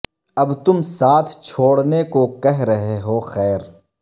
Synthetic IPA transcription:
ɐbt̪ʊmsaːt̪ʰt͡ʃʰoːɽnekokɛɦɾɐɦeɦoxɛːɾ

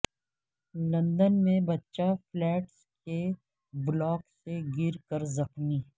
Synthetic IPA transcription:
lɐ̃nd̪ənmẽbɐtːʃaflɛːʈs | ke | blɔːkseɡɪɾkəɾzɐxmiː

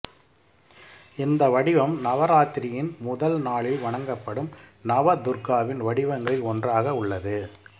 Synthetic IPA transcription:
ɪnd̪ɐʋɐɽɪʋɐmnɐʋɐɾaːt̪ɪɾɪjɪnmʊðɐlnaːɭɪlʋɐɳɐŋɡɐpːɐɽɯmnɐʋɐd̪ʊɾkaːʋɪnʋɐɽɪʋɐŋɡɐɭɪɔndraːɣɐʊɭːɐðɯ

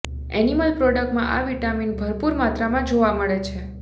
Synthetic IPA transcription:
ɛ̰niməlpɾɔɖək̚ʈmã̰ʔaʋiʈaminbʱəɾpuɾmat̪ɾamãd͡ʒoʋaməɭet͡ʃʰe

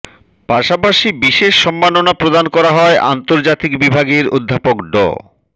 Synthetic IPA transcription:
paʃapaʃibiʃeʃːɔmːanonapɾod̪ankɔɾaɦɔeʔa̰nt̪oɾd͡ʑat̪ikbibʱaɡeɾod̪ʱːapokɖɔ̰

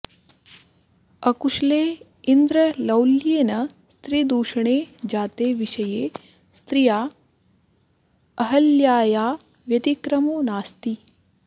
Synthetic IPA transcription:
ɐkuʃleː | ind̪ɾɐlɐwljeːnɐst̪ɾid̪uːʂɐɳeːd͡ʒaːt̪eːʋiʃɐjeː | st̪ɾijaː | ɐɦɐljaːjaː | ʋjɐt̪ikɾɐmoːnaːst̪i

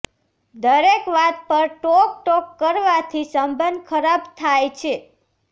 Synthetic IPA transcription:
d̪əɾekʋat̪̚pəɾʈɔk̚ʈɔkːəɾʋat̪ʰisəmbənd̪̚kʰəɾabt̪ʰajt͡ʃʰe

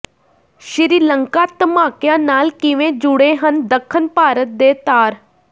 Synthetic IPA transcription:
ʃɪɾiːləŋkaːt̪əmaːkjãːnaːlkɪʋẽːd͡ʒʊɽeːɦənd̪əkʰːənpaːɾət̪̚d̪eːt̪aːɾ

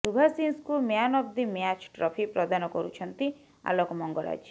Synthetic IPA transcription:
subʱasinskumjanɔb̚d̪imjat͡ʃʈɾɔpʰipɾɔd̪anɔkɔɾut͡ʃʰɔnt̪i | a̰lɔkɔmɔŋɡɔɾa̰d͡ʒ

